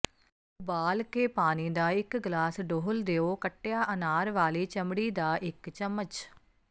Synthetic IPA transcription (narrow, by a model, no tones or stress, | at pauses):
baːlkeːpaːniːd̪aːɪkɡlaːsɖoːɦld̪eːoːkəʈːejaːʔənaːɾʋaːliːt͡ʃəmɽiːd̪aːʔɪkt͡ʃəmːət͡ʃ